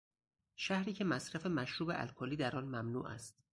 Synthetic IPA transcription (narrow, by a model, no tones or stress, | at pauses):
ʃæhɾiːcʰe̞mæsɾæfe̞mæʃɾuːbeʔæ̰lkʰoːliːd̪æɾɒːnmæmnṵːʔæ̰st̪